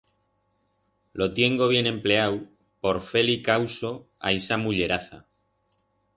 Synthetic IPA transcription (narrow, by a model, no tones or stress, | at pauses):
lo̞t̪je̞ŋɡo̞β̞je̞nẽ̞mple̞aw | po̞ɾfe̞likawso̞a̰jsamuʎe̞ɾaθa̰